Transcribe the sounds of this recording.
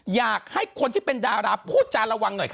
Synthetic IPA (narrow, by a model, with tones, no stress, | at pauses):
jaː˨˩k̚ha˥˩jkʰo˧nt̪ʰiː˥˩pe˧ndaː˧ɾaː˦˥pʰuː˥˩t̪̚t͡ɕaː˧nɾa˧wa˧ŋno˨˩jkʰ